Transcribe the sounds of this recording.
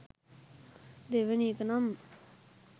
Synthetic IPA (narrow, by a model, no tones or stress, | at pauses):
d̪eʋənikənam